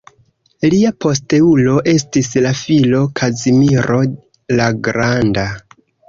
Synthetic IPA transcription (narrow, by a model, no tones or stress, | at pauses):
liapo̞ste̞ulo̞ʔe̞stislafilo̞kʰazimiɾo̞ | laɡɾanda